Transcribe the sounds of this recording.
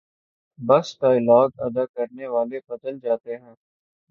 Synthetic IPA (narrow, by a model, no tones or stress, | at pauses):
bɐsʈ̪aːɪlaːd̪ɐ̰d̪akɐɾneʋaːlebɐd̪əld͡ʒaːt̪eɦɛ̃ː